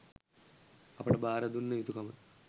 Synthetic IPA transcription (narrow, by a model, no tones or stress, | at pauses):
ɐpːɐɽebʱaːɾɐd̪unːɐit̪ːukɐmɐ